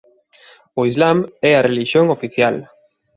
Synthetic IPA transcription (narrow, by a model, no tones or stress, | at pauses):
ʊizlamɛɐreliʃjoŋofiθjal